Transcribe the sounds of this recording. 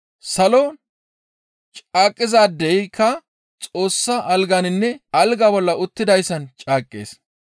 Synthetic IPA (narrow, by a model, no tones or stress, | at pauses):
sɐlɔ | t͡ʃʼaːkʼːɪzaːd̪ɛjɪkʰːɐ | t͡sʼo̞ːsːɐʔɐlɡanɪnːɛɐlɡaːbɔlːɐʔʊt̪ːɪd̪ɐjsːɐnt͡ʃʼaːkʼːḛːs